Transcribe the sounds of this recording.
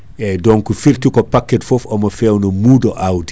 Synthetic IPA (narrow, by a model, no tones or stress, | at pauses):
ɛdɔnkufirtikɔpakːɛtfofɐmɐfɛwnɐmuːdoʔawdi